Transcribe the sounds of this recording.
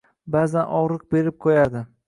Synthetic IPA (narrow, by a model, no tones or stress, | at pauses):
bazanʔɒʁɾɨq̚be̞ɾɪp̚qʰojad̪ɪ